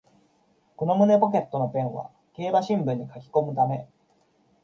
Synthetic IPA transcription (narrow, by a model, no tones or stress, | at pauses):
ko̞no̞mɯ̟ne̞po̞k̬e̞t̪ːo̞no̞pẽ̞ɰ̃βa̰ | ke̞ːbaɕĩmbɯ̟̃ɲ̟ːikakʲi̥ko̞mɯ̟t̪ame̞